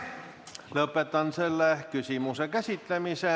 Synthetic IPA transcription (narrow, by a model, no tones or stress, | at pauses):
løpːet̪ɑnselːækysimusekæsit̪lemise